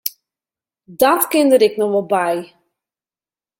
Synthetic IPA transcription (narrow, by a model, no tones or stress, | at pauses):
dɔtkɪndəɾɪknɔʋɔlˠbɛj